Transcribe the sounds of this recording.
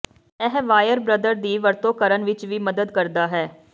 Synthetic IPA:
ɛɦʋaːjəɾbɾəd̪əɾd̪iːʋəɾt̪oːkəɾənʋɪt͡ʃʋiːməd̪əd̪kəɾd̪aːɦɛː

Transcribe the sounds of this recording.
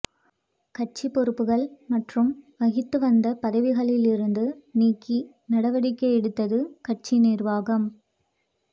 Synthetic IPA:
kɐʈ̚t͡ʃipːɔɾɯpːɯɣɐɭmɐʈrɯmʋɐɣɪt̪ːɯʋɐnd̪ɐpɐðɐʋɪɣɐɭɪlɪɾɯnd̪ɯniːkːi | nɐɽɐʋɐɽɪkːɐɛɽɯt̪ːɐðɯkɐʈ̚t͡ʃineːrʋaːɣɐm

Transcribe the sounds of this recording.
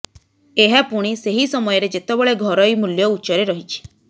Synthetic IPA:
eɦapuɽ̃iseɦisɔmɔjɔɾed͡ʒet̪ebɔɭeɡʱɔɾɔimuljɔutːt͡ʃɔɾeɾɔɦit͡ʃʰi̥

